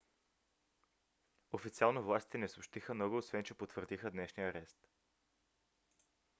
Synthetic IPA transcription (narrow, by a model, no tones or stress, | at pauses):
ofit̪sialˠnovlˠast̪i̥t̪ɛnɛsopʃt̪ixəmnɔɡʊːsvɛnt͡ʃɛpot̪vəɾd̪ixəd̪nɛʃnijəɾɛst̪